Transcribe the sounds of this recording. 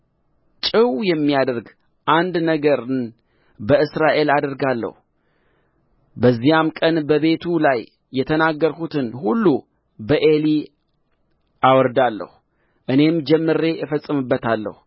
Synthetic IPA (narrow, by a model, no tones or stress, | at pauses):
t͡ʃʼɨwjɛmːijad̪əɾɡ | ʔand̪nəɡəɾɨn | bəɨsɾaʔe̞lad̪əɾɡalːə̰hu | bəzːijamkʼənbəβe̞t̪ʰulajː | ɛt̪ʰənaɡːəɾkut̪ʰɨnhulːu | bəʔe̞li | ʔawɔɾd̪alːə̰hu | ʔɨne̞md͡ʒɛmːɨɾe̞jɛfəsʼːɨmɨbːət̪ʰalːə̰hu